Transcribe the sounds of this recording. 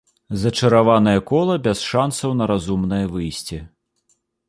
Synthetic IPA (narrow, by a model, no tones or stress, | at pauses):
zɐt͡ʂɐɾavanɐjɐkɔlˠɐbʲɛsʂansɐwnɐɾazumnɨjɐvɨjsʲt͡sʲi